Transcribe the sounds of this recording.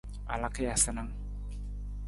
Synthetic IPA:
a̰˨la˦kə˦ja˨sənaŋ

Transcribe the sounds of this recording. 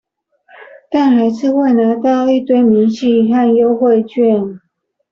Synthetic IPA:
t̪a˥˩nxa˧˥ɪʂɻ̩˥˧xwe˥˩ɪna˧˥t̪ɑ˥˧ʊi˥˧t̪we˥˩ɪmi˧˥ŋɕi˥˧xa˥˧njo˥˧ʊxwe˥˧ɪt͡ɕɥɛ˥˩n

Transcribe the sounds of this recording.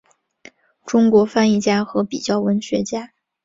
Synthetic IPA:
ʈ͡ʂʊ˥ŋkwɔ˧˥fa˥˧ni˥˩t͡ɕja˥xɤ˧˥pḭ˨˩t͡ɕjɑ˥˩ʊwə˧˥nɕɥɛ˧˥t͡ɕja˥

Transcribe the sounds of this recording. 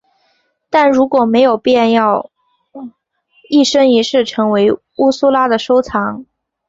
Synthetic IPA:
t̪a˥˩nɻu˧˥kwɔ˨˩me˧˥ɪjo˨˩ʊpjɛ˥˧njɑ˥˧ʊ | i˥˩ʂə˥ŋi˧˥ʂɻ̩˥˩ʈ͡ʂʰɤ˧˥ŋwe˧˥ɪ | u˥su˥la˥d̪ə˨ʂo˥ʊt͡sʰɑ˧˥ŋ

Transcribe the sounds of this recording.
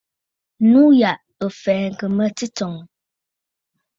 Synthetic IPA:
nu˦ja˨ʔ | ə˨fɛː˨ŋ˨kə˨mə˦ti˦tɔ˨ŋ˨

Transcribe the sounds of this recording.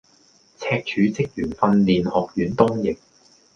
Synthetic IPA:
t͡sʰɛː˧k̚t͡ʃʰyː˨˥t͡sɪ˥k̚jyː˨˩nfɐ˧nliː˨nhɔː˨k̚jyː˨˥nt̪ʊ˥ŋjɪ˨˩k̚

